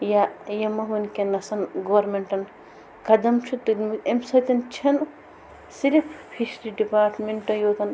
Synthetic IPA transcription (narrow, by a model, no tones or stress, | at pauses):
jajɐmɐɦunkenɐsɐnɡɐʋɐɾmeɳʈɐn | kɐd̪ɐmt͡ʃʰut̪ulmiemsɐt̪ʲɐnt͡ʃʰɐn | siɾifːʰiʃɾiɖipaːɾʈmeɳʈɐjoːt̪ɐn